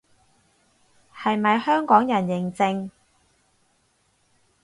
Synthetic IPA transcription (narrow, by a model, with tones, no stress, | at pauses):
hɐ˨jmɐ˨jhœː˥ŋkɔː˨˥ŋjɐ˨˩njɪ˨˩ŋt͡sɪ˧ŋ